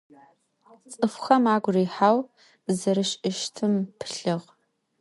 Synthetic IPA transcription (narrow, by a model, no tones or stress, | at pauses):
t͡sʼɨfxɐmaːɡʷriːħaːw | zɐɾɨɕʼɪʃtʰɨmpʰɨɬɨʁ